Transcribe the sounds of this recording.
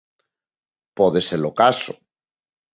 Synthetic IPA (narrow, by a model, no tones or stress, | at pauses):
poðeseɾlokaso̰